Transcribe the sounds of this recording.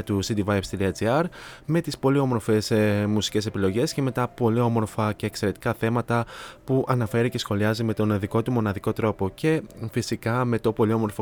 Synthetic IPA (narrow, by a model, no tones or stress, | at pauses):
t̪usid̪ivɐepst̪iɾiɐt͡siɐɾme̞t̪ispo̞lio̞mo̞ɾfe̞smusi̥ce̞se̞pilo̞ʝe̞sce̞me̞t̪ɐpo̞lio̞mo̞ɾfɐceːkse̞ɾe̞t̪i̥kɐθe̞mɐt̪ɐpuʔɐnɐfe̞ɾice̞sxo̞liɐzime̞t̪o̞nðiko̞t̪umo̞nɐðiko̞t̪ɾo̞po̞ce̞fisikɐme̞t̪o̞po̞lio̞mo̞ɾfo